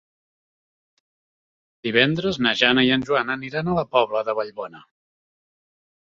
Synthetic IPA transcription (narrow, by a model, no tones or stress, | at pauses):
d̪iβ̞ɛnd̪ɾəznəʒanəiənʲʒuanəniɾanələpɔβləðəβəʎβɔnə